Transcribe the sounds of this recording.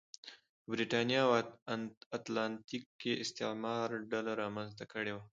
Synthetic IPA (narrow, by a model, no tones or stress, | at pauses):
bɾiʈɑnjɑw | at̪lɑnt̪ikːeʔɪst̪ɪʕmɑɾɖalaɾɑmanzt̪akəɽewa